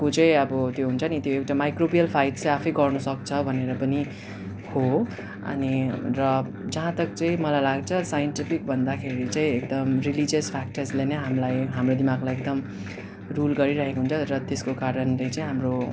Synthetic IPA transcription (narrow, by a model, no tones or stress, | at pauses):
kot͡sʌĩʌbʌt̪joɦunt͡sʰʌnit̪joewʈamajkrobijʌlpʰajʈt͡sʌj̃apʰʌjɡʌrnusʌk̚t͡sʰʌbʱʌneɾʌpʌni | ho | ʌ̰nirʌ | d͡zʌɦãt̪ʌk̚t͡sʌĩmʌlajlaɡt͡sʰʌsajʌnʈipʰik̚bʱʌnd̪akʰeɾit͡sãĩek̚d̪ʌmrilid͡ziʌspʰak̚ʈʌrslenʌɦamlajɦamrod̪imaɡlajek̚d̪ʌm | rulɡʌɾiɾʌɦekoɦunt͡sʰʌrʌt̪eskokaɾʌnlejt͡sʌĩɦamro